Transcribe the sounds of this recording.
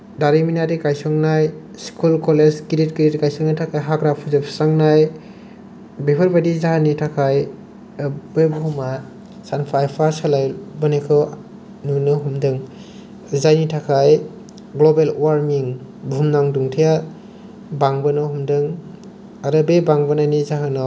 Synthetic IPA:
daɾiminaɾikajsɔŋnaj | skʰulkɔlezkiɾit̚ɡiɾit̚kajsɔŋnajtʰakʰajɦaɡɾapʰuzɯpʰsaŋnaj | bipʰɯɾbadizaɦanitʰakʰaj | bebɔɦuma | sanpʰajpʰaɾsalajbɯnekʰɯ | nunɯɦumdɯŋ | zajnitʰakʰaj | ɡlɔbelwaɾmiŋbʱumnaŋduŋtʰija | baŋbɯnɔhumdɯŋ | aɾɯbebaŋbɯnajnizaɦanɔ

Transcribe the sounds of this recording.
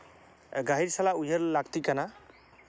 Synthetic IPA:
ɡaɦiɾsalaujʌɾlaɡt̪ikana

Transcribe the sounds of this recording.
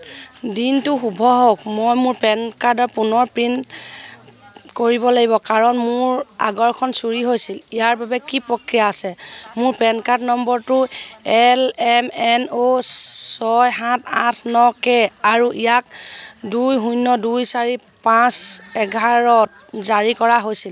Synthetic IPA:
dintʊxubʱɔɦok̚mojmʊɹpɛnkaɹdɔɹpunɔɹpɹint | koɹibɔlaɡibɔkaɹɔnmʊɹa̰ɡɔɹkʰɔnsuɹiɦojsilijaɹbabɛkipɹɔkɹijaːsɛmʊɹpɛnkaɹdnɔmbɔɹtʊɛlɛmɛnosɔjɦãtʰãtʰnɔkɛaɹuʔijak̚dujɦujnːɔdujsaɹi | pãsɛɡʱaɹɔt̚ | zaɹikɔɹaɦojsil

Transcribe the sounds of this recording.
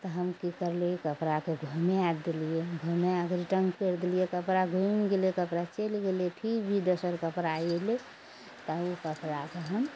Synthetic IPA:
t̪ɔɦəmkikəɾleikəpɾakeɡʱumead̪elijeɡʱumeaɡɾiʈəŋɡpeɾd̪eliekəpɾaɡʱumɡelekəpɾat͡ʃelɡelepʰikbʱid̪əsəɾkəpɾajele | t̪əukəpɾakeɦəm

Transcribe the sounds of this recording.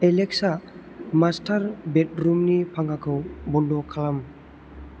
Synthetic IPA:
ɛlɛksamastʰaɾbet̚ɾumnipʰaŋakʰɯwbɔndɔkʰalam

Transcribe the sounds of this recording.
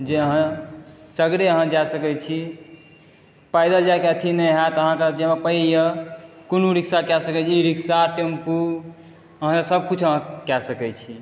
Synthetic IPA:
d͡ʒeəɦãsəɡɾeəɦãd͡ʒasəkɛt͡ʃʰi | pajd̪ad͡ʒakɛt̪ʰinəɦat̪əɦãked͡ʒemepəjəkonuɾiksakjɛsəkɛt͡ʃʰiiɾiksaʈempu | əɦãkesəb̚kut͡ʃʰəɦãkɛsəkɛt͡ʃʰi

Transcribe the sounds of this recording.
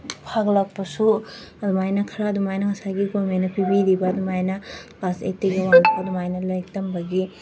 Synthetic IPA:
pʰaɡlɐk̚pɐsuɐdumajnɐkʰɐɾadumajnɐŋɐsaɡiɡomenɐpibiɾibɐːdumajnɐkasḛteɡewaŋtʰoɐdumajnɐlɐjtɐmbɐɡi

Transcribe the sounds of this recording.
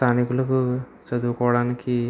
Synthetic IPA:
t̪ʰaːnikulɐku | t͡ʃɐd̪uːkɔːʋɐɽaːniki

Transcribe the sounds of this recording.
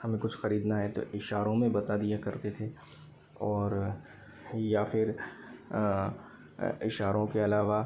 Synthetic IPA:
hɐmẽkʊt͡ʃʰxɐɾiːd̪naɦɛt̪o̰ɪʃaːɾõmẽbɐt̪ad̪ijakɐɾt̪et̪ʰe | ɔːɾ | jafɪɾ | ɪʃaːɾõkeɐlaːʋa

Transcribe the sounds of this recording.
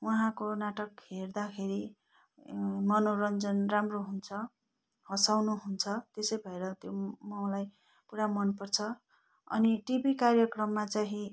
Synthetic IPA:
waɦãkonaʈʌkɦerd̪akʰeɾi | mʌnoɾʌnd͡zʌnramroɦunt͡sʰʌ | hʌsawnuɦunt͡sʰʌt̪esʌjbʱʌeɾʌt̪jomʌ̃laj | puɾamʌnpʌrt͡sʰʌ | ʌ̰niʈibikarjʌkrʌmːat͡saɦĩ

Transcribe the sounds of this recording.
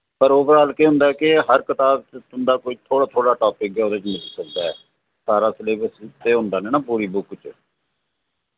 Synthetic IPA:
pəɾoːbəɾaːlkeːɦʊ̃nd̪aːkɪɦəɾkət̪aːbt͡ʃt̪ʊnd̪aːkoːiːt̪ʰoːɽaːt̪ʰoːɽaːʈaːpɪk̚ɡɛːoːd̪aːt͡ʃmɪliːsək̚d̪aːɛː | saːɾaːsleːbəst̪eːɦʊ̃nd̪aːnɛːnãːpuːɾiːbʊkt͡ʃ

